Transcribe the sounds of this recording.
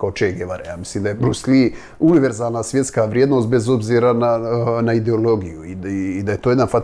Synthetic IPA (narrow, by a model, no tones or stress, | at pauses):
kaot͡ʃeɡeʋaɾejaːmisliːmd̪ajebɾusli | uniʋe̞ɾzaːlnasʋje̞t̪skaʋɾjed̪nost̪be̞zo̞bziːɾananaid̪eo̞lo̞ɡijuiːd̪aje̞t̪oje̞d̪anfa